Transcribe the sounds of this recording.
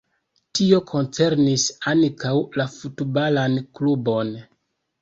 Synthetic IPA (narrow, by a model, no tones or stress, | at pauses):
tio̞kʰo̞nt͡se̞ɾnisankʰawlafutbalanklubo̞n